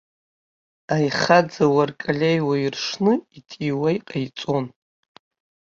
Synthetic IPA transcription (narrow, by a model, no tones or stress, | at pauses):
ajχad͡zawarkʼalʲejwairʂnɨitʼiwajqʼajt͡sʼo̞n